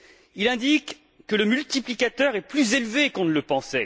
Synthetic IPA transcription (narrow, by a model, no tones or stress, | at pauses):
ilɛ̃d̪ikː | ələmylt̪iplikat̪œʁɛplyzelvekɔ̃nələpɑ̃sɛ